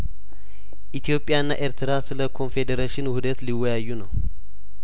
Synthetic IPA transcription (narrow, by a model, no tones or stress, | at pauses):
ʔit̪ʰjo̞pʼjaɨnːa̰ʔe̞ɾt̪ɨɾasɨləkʰo̞nfe̞d̪əɾeʃɪnhud̪ət̪liwːɔjajːunəw